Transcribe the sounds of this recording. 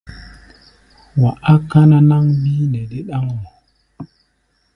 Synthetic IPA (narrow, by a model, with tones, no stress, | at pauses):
wa˨ʔa˦ka˦na˦na˦ŋbi˦ne˨ɗi˦ɗa˦ŋna˨